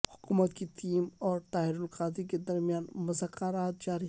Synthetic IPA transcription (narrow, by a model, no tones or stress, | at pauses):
hʊkumət̪kit̪ʰiːmɔːɾt̪aːɦiɾʊlqaːd̪iked̪ɐɾmijaːnmʊzakːaɾaːt̪̚d͡ʒaːɾi